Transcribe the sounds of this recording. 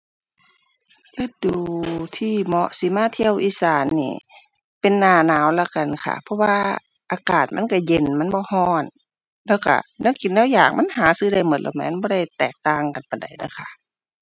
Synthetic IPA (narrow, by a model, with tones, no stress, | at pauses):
lɯ˧˨t̪̚duː˨˩t̪ʰiː˧˩mɔ˧ʔsi˧˦maː˧˨t̪ʰi˧˨ə˨wʔiː˧˨saː˨˦nːḭː˧˩ | pe˨nːaː˧˩naː˨˦wla˧˩ka˨˩nkʰa̰˧pʰɔ˧˥waː˧ | ʔaː˨˧˦kaː˨˩t̪̚ma˧˥˨nka˧˩je˧˨nma˧˥˨nbɔː˧˦hɔː˧˩˨n | lɛː˧˩wka̰˧˩nɛ˧˥˨ki˨ndɛː˧˥˨wjaː˨˩k̚ma˧˥˨nhaː˨˦sɯː˧˩da˧˩jmɯ˨˦lɛ̰˧˩mɛ̰ː˧˥˨nbɔː˧˦ɾa˧˩jt̪ɛː˨˩k̚t̪aː˧ŋka˨npa˨nda˨˩jna̰˧˥˨kʰa˧˩ʔ